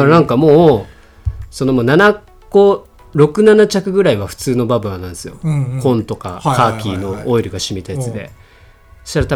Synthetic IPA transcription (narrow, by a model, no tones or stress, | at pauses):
ɾnãŋkamo̞ː | so̞no̞moːnana | ɡ̥o̞ | ɾo̞kɯ̟nanat͡ɕakɯ̟ɡɯ̟ɾaiβaɸɯ̟̥t͡sɨːno̞babɯ̟anãnd̪sɨjo̞̰kõ̞nt̪o̞ka̰kaːkʲiːno̞oiɾɯ̟ɡaɕimit̪ajat͡sɨd̪e̞̰ | soɕt̪aɾat̪a